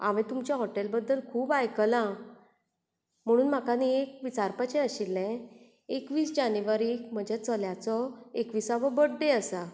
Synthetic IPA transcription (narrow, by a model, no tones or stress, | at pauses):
a̰ʋẽt̪umt͡ɕjaɦɔʈelbəd̪ːəlkʰuːbajkəlã | m̤əɽ̃uːnm̤akaniekʋit͡saɾpat͡ɕɛ̃əɕilːɛ̃ | ekʋiːsd͡ʑanjuʋaɾiːkm̤əd͡ʑʱet͡səljat͡sɔekʋiːsaʋəbəɽːeəsa